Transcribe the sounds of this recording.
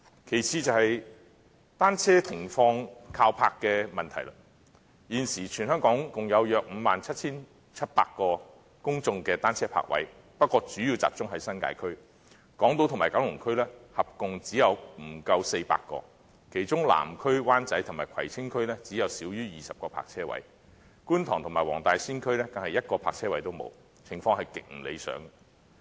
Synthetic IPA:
kʰe˨˩jt͡sʰiː˧t͡sɐ˨whɐ˨j | t̪aː˥nt͡sʰɛː˥t̪ʰɪ˨˩ŋfɔː˧ŋkʰaː˧wpʰaː˧kːɛː˧mɐ˨nt̪ʰɐ˨˩jla˧ | jiː˨˧nsiː˨˩t͡ʃʰyː˨nhœ˥ŋkɔː˨˥ŋkʊ˨ŋjɐ˨˧wjœː˨k̚m̩˨˧maː˨nt͡sʰɐ˥t̚t͡sʰiː˥n | t͡sʰɐ˥t̚pa̰ː˧kːɔː˧ | kʊ˥ŋt͡sʊ˧ŋkɛː˧t̪aː˥nt͡sʰɛː˥pʰa̰ː˧k̚wɐ̰˨˥j | pɐ˥t̚kʷːɔː˧t͡syː˨˥jiː˧wt͡sa̰ː˨˩p̚t͡sʊ˥ŋɦɐ˨˥jsɐ˥nka̰ː˧jkʰɵ˥ɥ | kɔː˨˥ŋt̪o˧wt̪ʰʊ˨˩maː˨˩kaː˨˥wlʊ˨˩ŋkʰɵ˥ɥlɛː˥hɐ˨p̚kʊ˨ŋt͡siː˨˥jɐ˨˧wm̩˨˩kɐ˧wse˧jpa̰ː˧kːɔ̰ː˧ | kʰe˨˩jt͡sʊ˥ŋla̰ː˨˩mkʰɵ˥ɥwaː˥nt͡sɐ˨˥jt̪ʰʊ˨˩ŋmaː˨˩jkʰɐ˨˩jt͡sʰɪ˥ŋkʰɵ˥ɥlɛː˥t͡siː˨˥jɐ˨˧wsiː˨˥wjyː˥jiː˨sɐ˨p̚kɔː˧pʰa̰ː˧k̚t͡sʰɛː˥wɐ̰˨˥j | kuː˥nt̪ʰɔː˨˩ŋt̪ʰʊ˨˩ŋmaː˨˩jwɔ̰ː˨˩ŋt̪aː˨jsiː˥nkʰɵ˥ɥlɛː˥t̪ɐ˨ŋhɐ˨jɐ˥t̚kɔː˧pʰaː˧k̚t͡sʰɛː˥wɐ˨˥jt̪o˥wmo̰˨˧w | t͡sʰɪ˨˩ŋfɔː˧ŋhɐ˨jkɪ˨k̚ŋ̩˨˩lḛ˨˧jsœ̰ː˨˥ŋ

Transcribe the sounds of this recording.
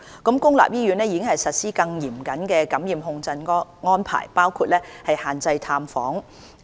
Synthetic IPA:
kʊ˨˥mkʊ˥ŋla̰ː˨p̚jiː˥jyː˨˥nɛː˥jiː˨˧kɪ˥ŋhɐ˨jsɐ˨t̚siː˥kɐ˧ŋjiː˨˩mkɐ˨˥nkɛː˧kɐ˨˥mjiː˨mɦʊ˧ŋt͡sɐ˧nŋɔː˥npʰa̰ː˨˩jpaː˥wkʰuː˧t̚lɛː˥hɐ˨jhaː˨nt͡sɐ˧jt̪ʰaː˧mfɔ̰ː˨˥ŋ

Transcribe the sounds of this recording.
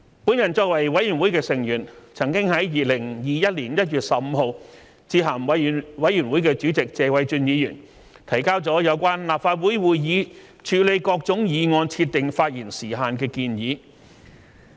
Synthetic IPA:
pu˨˥njɐ˨˩nt͡sɔː˧k̚wɐ˨˩jwɐ˨˥jyː˨˩nwu˨˥jkɛː˧sɪ˨˩ŋjyː˨˩nt͡sʰɐ˨˩ŋkɪ˥ŋhɐ˨˥jjiː˨˧lɪ˨˩ŋjiː˨˧jɐ˥t̚liː˨˩njɐ˥t̚jyː˨t̚sɐ˨p̚m̩˨˧ɦo˨˧w | t͡siː˧ɦɐ˨˩mwɐ˨˧˨wɐ˨˥jy˨˩nwu˨˥jkɛː˧t͡sy˨˥t͡sɪ˨k̚t͡sɛː˨wɐ˨˧jt͡ʃyː˧njiː˨˧jyː˨˩n | t̪ʰɐ˨˩jkaː˥wt͡sɔː˨˥jɐ˨˧wkʷaː˥nlaː˨p̚faː˧t̚wuː˨˥jwuː˨jjiː˨˧ | t͡ʃʰyː˨˧le˨˧jkɔː˧k̚t͡sʊ˨˥ŋjiː˨˧ŋɔː˧nt͡sʰiː˧t̚t̪ːɪ˨ŋfaː˧t̚jiː˨˩nsiː˨˩ɦaː˨˧nkɛː˧kiː˧njiː˨˧˦

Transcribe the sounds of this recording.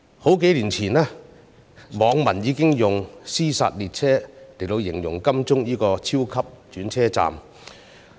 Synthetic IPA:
ho˨˥wk̬e˨˥jliː˨˩nt͡sʰiː˨˩nɛː˥ | mɔː˨˧ŋmɐ˨˩njiː˨˧kɪ˥ŋjʊ˨˩ŋsiː˥sa̰ː˧t̚liː˨t̚t͡sʰɛː˥le˨˩jlo˨˧wjɪ˨˩ŋjʊ˨˩ŋkɐ˥mt͡sʊ˥ŋjiː˥kɔː˧t͡sʰiː˥wkʰɐ˥p̚t͡ʃyː˨˥nt͡sʰɛː˥t͡sa̰ː˨m

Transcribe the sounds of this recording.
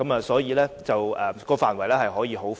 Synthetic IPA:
ɐ˨˥mɐː˨sɔː˨˥jiː˨˧lɛː˥t͡sɐ˨wɛː˨kɔː˧faː˨nwɐ˨˩jlɛː˥hɐ˨jɦɔː˨˥jiː˨˧ɦo˨˥w

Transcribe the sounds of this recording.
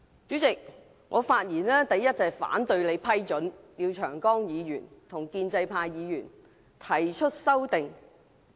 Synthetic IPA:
t͡syː˨˥t͡sɪ˨k̚ | ŋʔɔː˨˧faː˧t̚jiː˨˩nɛː˥t̪ɐ˨jɐ˥t̚t͡sɐː˨fa̰ː˨˥nt̪ɵ˧ɥle˨˧jpʰɐ˥jt͡ʃɵ˨˥nliː˨˧wt͡ʃʰœː˨˩ŋkɔː˥ŋjiː˨˧jyː˨˩nt̪ʰʊ˨˩ŋkiː˧nt͡sɐ˧jpʰaː˧jjiː˨˧jyː˨˩n | t̪ʰɐ˨˩jt͡ʃʰɵ˥t̚sɐ˥wt̪ɪ˨ŋ

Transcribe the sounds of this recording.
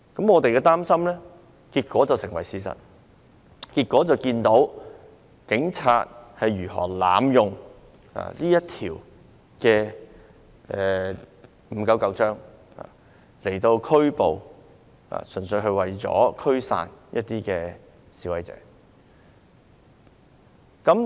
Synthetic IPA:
kɐ˨˥mŋɔː˨˧t̪e˨jkɛː˧t̪aː˥msɐ˥mlɛː˥ | kiː˧t̚kwɔː˨˥t͡sɐ˨wsɪ˨˩ŋwɐ˨˩jsiː˧sɐ̰˨˩t̚ | kiː˧t̚kʷːɔː˨˥t͡sɐ˨˩wkiː˧nt̪o˨˥w | kɪ˨˥ŋt͡sʰa̰ː˧t̚hɐ˨jɥyː˨˩ɦɔ̰ː˨˩la̰ː˨mjʊ˨ŋ | a̰ː˨˩liː˥jɐ˥t̚t̪ʰiː˨˩w | kɛː˧ | ɛ˨ | m̩˨˧˥kɐ˨˧˥wkɐ˧wt͡ʃœː˥ŋ | ha̰ː˨˩ | le˨˩jt̪o˧wkʰɵ˥ɥpo˨w | ha̰ː˨sɵ˨˩nsɵ˧ɦɵ˧ɥwɐ˨˩jt͡sɔ̰ː˨˧˥kʰɵ˥ɥsa̰ː˨njʔɐ̰˥t̚t̪iː˥kɛː˧ | siː˨˥wɐ˨˧jt͡sɛ̰ː˨˥ | kɐ˨˥m

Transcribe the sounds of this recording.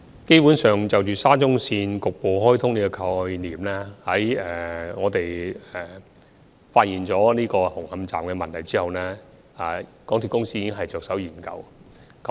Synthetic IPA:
ke˥jpu˨˦˥nsœː˨˩ŋt͡sɐ˨wt͡ʃyː˨˩saː˥t͡sʊ˥ŋsiː˧nkʊ˨k̚po˨wɦɔː˥jt̪ʰʊ˥ŋniː˦˥kɔ˧kʰɐ˧jniː˨˩mlaː˥hɐ˨˥jɛː˨ŋɔː˨˧t̪e˨jɛ˨˩ | faː˧t̚jiː˨nt͡sɔː˨˥niː˥kɔː˧hʊ˨˩ŋhɐ˧mt͡sa̰ː˨mkɛː˧mɐ˨nt̪ʰɐ˨˩jt͡siː˥hɐ˨wnɛː˥ | aː˨˩kɔː˨˥ŋt̪ʰy˨kʊ˥ŋsiː˥jiː˧kɪ˥ŋɦɐ˨jt͡sœː˨ksɐ˨˥wjiː˨˩nkɐ̰˧w | kɐ˨˦˥

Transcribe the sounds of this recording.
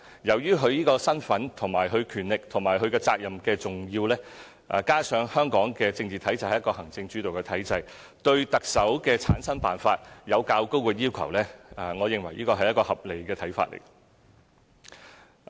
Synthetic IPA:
jɐ˨˩wjyː˥ɦɵ˨˧ɥjiː˥kɔː˧sɐ˥nfɐ˨˥nt̪ʰʊ˨˩ŋmaː˨˩jɦɵ˨˧ɥkʰyː˨˩nlɪ˨k̚t̪ʰʊ˨˩ŋmaː˨˩jɦɵ˨˧ɥkɛː˧t͡saː˧k̚jɐ˨mkɛː˧t͡sʊ˨˩ŋjiː˧wlɛː˥ | ʔa̰˨kaː˥sœː˨˥ŋhœː˥ŋkɔː˨˥ŋkɛː˧t͡sɪ˧ŋt͡siː˨t̪ʰɐ˨˥jt͡sɐ˨˧jhɐ˨jɐ˥kɔː˧ɦɐ˨˩ŋt͡sɪ˧ŋt͡ʃyː˨˥t̪o˨wkɛ˧t̪ʰɐ˨˥jt͡sɐ˧j | t̪ɵ˧ɥt̪ɐ˨k̚sɐ˨˥wkɛː˧t͡sʰa̰ː˨˥nsɐ˥npaː˨˩nfaː˧t̚jɐ˨˧wkaː˧wko˥wkɛː˧jiː˥wkʰɐ̰˨˩wlɛː˥a˨ŋɔː˨˧jɪ˨ŋwɐ˨˩jiː˥kɔː˧ɦɐ˨jɐ˥t̚kɔː˧hɐ˨p̚le˨jkɛː˧t̪ʰɐ˨˥jfa̰ː˧t̚lḛ˨˩j

